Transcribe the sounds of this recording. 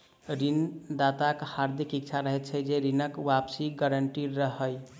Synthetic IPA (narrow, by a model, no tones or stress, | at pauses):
ɾind̪at̪akhaɾd̪ʱikikt͡ʃʰaɾəɦɛt̪t͡ʃʰɛd͡ʒeɾinəkwapsiɡəɾəɳʈiɾəɦəj